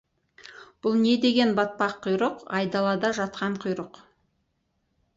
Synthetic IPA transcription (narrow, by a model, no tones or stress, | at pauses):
b̥ʊlˠne̞d̪e̞ɡʲe̞nbɑt̪̚pɑqʰːʊjɾəqɑjd̪ɑlˠɑd̪ɑʒɑt̪qɑɴqʰʊjɾəq